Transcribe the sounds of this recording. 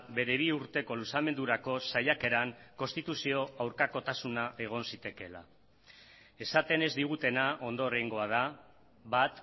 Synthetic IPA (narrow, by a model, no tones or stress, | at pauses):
be̞ɾe̞β̞iuɾt̪e̞ko̞lusame̞nd̪uɾako̞sajake̞ɾaŋkonst̪it̪usio̞awɾkako̞t̪asunaʔe̞ɣ̞o̞nsit̪e̞ke̞la̰ | e̞sat̪e̞ne̞zd̪iɣ̞ut̪e̞naʔo̞nd̪o̞ɾejŋɡo̞að̞a | bat̪